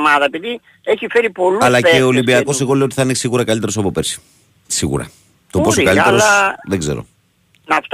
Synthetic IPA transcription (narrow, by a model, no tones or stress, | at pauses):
mɐðɐepiði | eçifeɾipo̞luɐlɐeolimbiɐko̞s̬e̞ɣo̞leot̪iθɐinesiɣuɾɐkɐlit̪e̞ɾosɐpo̞pe̞ɾsi̥ | siɣṵɾɐ̰ | t̪opo̞sokɐleɾosðeɡze̞̰ɾo̰ | nɐft̪